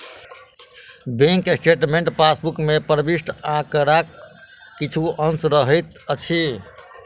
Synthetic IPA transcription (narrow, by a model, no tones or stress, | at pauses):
bẽŋksʈeʈmẽɳʈpasbukmepəɾbisʈãkəɾakː | it͡ʃʰuʔənsɾəɦəjt̪ | ət͡ʃʰi